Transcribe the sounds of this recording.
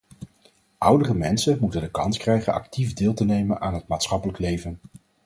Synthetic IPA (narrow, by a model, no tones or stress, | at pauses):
ʔʌwdərəmɛnsəmutəndəkɑnskrɛjχənɑ̰k̚tivdɪːlˠtənejmənaːnɦətmaːtsχɑpələklejvən